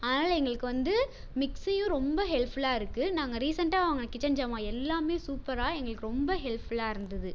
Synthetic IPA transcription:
aːðnaːlɛŋɡɐɭɯkːɯʋɐnd̪ɯ | mɪksɐjʊ̃ɾɔmbɐɦɛlpɪlaːɪɾɯkːɯnaːŋɡɐɾiːsɐɳʈaːʋɐŋɡɐɳɐkːɪt͡ʃːɐɲd͡ʒaːmãːɛlːaːmeːsuːpɐɾaːɛŋɡɐɭɯkːɯɾɔmbɐɦɛlpɪlaːɪɾɯnd̪ɐðɯ

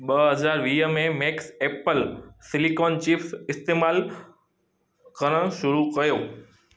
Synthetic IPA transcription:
ɓəɦəd͡ʒaɾʋiːjəmẽmeksepəlsɪlikont͡ʃifsɪst̪emal | kəɾəɽ̃ʃʊɾukəjoː

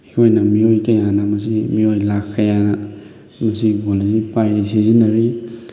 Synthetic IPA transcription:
ikʰojnɐmiojkɐjanɐmɐsimiojlakʰːɐjanɐ | mɐsiɡolazipajɾisezinɐɾi

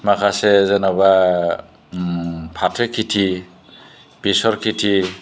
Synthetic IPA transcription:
makʰasezenaba | pʰatʰekʰːitʰi | b̥isɔɾkʰitʰi

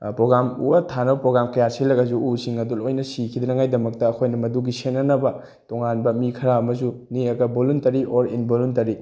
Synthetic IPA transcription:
pɾoɡɾamṵɐtʰanɐbɐpɾoɡɾamkɐjaɾsilɐɡɐzuusiŋɐdulojnɐsikʰid̪ɐɾɐŋajdɐmɐk̚tɐːkʰojnɐmɐduɡisenːɐnɐbɐ | toŋanbɐmikʰɐɾaɐmɐzuniɐɡɐboluntɐɾiʔoɾinboluntɐɾi

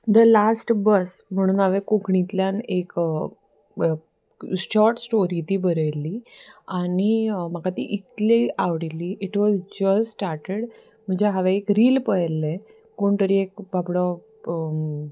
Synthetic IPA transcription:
d̪əlasʈbəsm̤əɽ̃uːnɦaʋekokɳit̪ljanek | ɕɔɾʈsʈoɾiːt̪iːbəɾəjliañim̤akat̪ḭʔit̪liaʋɽiliːʔiʈʋɔzd͡ʑəsːʈaɾʈeɽ | m̤əɳd͡ʑeɦaʋeekɾiːlpəɦlːe | koɳt̪əɾiek̚bapɽɔ

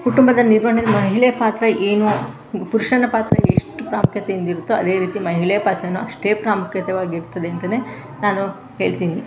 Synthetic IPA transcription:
kuʈumbɐd̪ɐniɾmɐɳɐɳɐlːimɐɦɦiɭɛjɐpaːt̪ɾɐʔeːnu | puɾuʂɐnɐpaːt̪ɾɐ̰ḛʂʈupɾaːmukjɐt̪ejind̪iɾut̪ːuɐd̪e̞ːɾiːt̪imɐɦiɭɛjɐpaːt̪ɾɐnːuɐʂʈe̞ːpɾaːmukjɐt̪ɐʋaːɡiɾt̪ːɐd̪e̞ɐnt̪ɐne̞ː | naːnu | ɦe̞ːɭt̪iːni

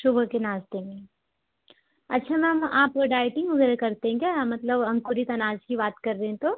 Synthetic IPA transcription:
ʃʊbʱkenaːzt̪eːŋɡe | ɐtːʃʰamɛ̃maːpoɖaːɪʈɪ̃ŋɡʊɡɾekɐɾt̪eɦɛ̃ɡemɐt̪ləbɐ̃ŋkuɾit̪ɐnaːd͡ʒkibaːt̪kɐɾːɐɦɛ̃t̪o

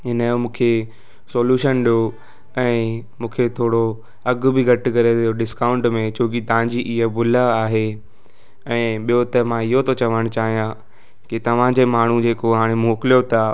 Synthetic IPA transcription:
ɦɪnəjomũːkʰe | soːljuːʃənɗijo | ɛ̃ːmũːkʰet̪ʰoːɽo | ɐɡ̆bɪɡʱɐʈɪ̆kɐɾeoɗɪskaːʊ̃ɳʈmẽt͡ɕʰoːk̬it̪ɐʋ̤ãɲd͡ʑiʔɪɦəbʱʊlaaːɦe | ɛ̃ːɓijot̪ɐmãɪɦot̪ot͡ɕɐʋəɽ̃t͡ɕaːɦijã | kit̪ɐʋ̤ãd͡ʑeːmaːɳ̤ud͡ʑeːkoɦaːɽ̃emoːkɪlijot̪ʰa

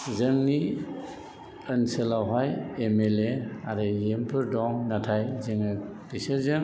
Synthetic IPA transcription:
zɯŋni | ənselawɦajemeleaɾɯjempʰɯɾdɔŋnatʰajzɯŋɯb̥iseɾzɯŋ

